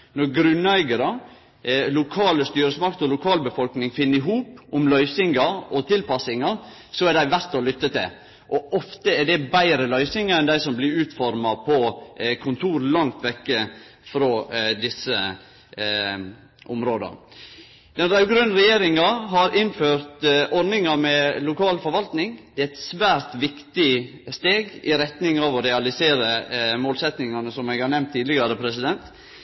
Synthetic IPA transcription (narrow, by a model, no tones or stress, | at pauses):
nɔɾɡɾʉnæɪɡəɾə | lʊkʰɑːləst̪yːɾəsmɑk̚t̪ɔlʊkʰɑːlbəfɔlknɪŋfɪnːəɾɪɦuːpʊmlœʏsɪŋɑɾɔt̪ʰɪlpɑsɪŋɑɾ | sɔɛɖæɪʋæɾt̪ɔlʏt̪ːət̪ʰɪ̰l | ʔɔʔɔft̪əɛɖɛbæɪɾəlœʏsɪŋəɾɛnd̪æɪsɔmblɪɾʉːt̪fɔɾmɑpʰɔkʰʊnt̪ʰuːɾlɑŋt̪ʋɛkːə | fɾoːd̪ɪsə | ʔɔmɾoːd̪ə̰ɾ | d̪ɛnɾɑɡɾʉnɾɛjeːɾɪŋɑɦɑɾɪnføːɾt̪ʔɔɾnɪŋɑmɛlʊkʰɑːlfɔɾʋɑlt̪nɪŋd̪ɛːæɪt̪sʋæːɾt̪ʋɪkt̪ɪ | st̪eːɡɪɾɛt̪nɪŋɑʋɔɾɛɑlɪseːɾəmoːlsɛt̪nɪŋɑnəsɔmɛɡhɑɾnɛmt̪ʰːiːd̪lɪɡɑɾəpʰɾɛsɪd̪ɛnt̪